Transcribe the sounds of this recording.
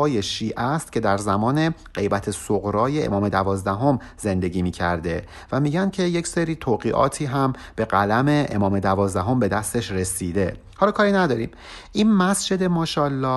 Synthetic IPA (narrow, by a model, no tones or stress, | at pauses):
ɒːje̞ʃiːʔæst̪̚cʰe̞d̪æɾzæmɒːne̞ɢe̞jbæt̪ʰe̞soɣɾɒːjeḛmɒːme̞d̪ævɒːzd̪æɦo̞m | ze̞nd̪e̞ɟiːmiːcʰæ̰ɾd̪e̞ | væmiːɟæncʰe̞jecseɾiːt̪ʰoːɣiːʔɒ̰ːt̪ʰiːɦæmb̥e̞ɣælæme̞ʔḛmɒːme̞d̪ævɒːzd̪æɦo̞mbe̞d̪æst̪e̞ʃɾe̞siːd̪e̞ | hɒːlɒːkʰɒːɾinæd̪ɒːɾiːm | ʔiːnmæsd͡ʒe̞d̪e̞mɒːʃɒːlːɒː